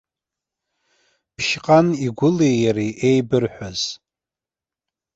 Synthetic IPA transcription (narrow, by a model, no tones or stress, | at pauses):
pʰʃqʼaniɡʷʊlejaɾiʔejbɨrħʷᶣaz̥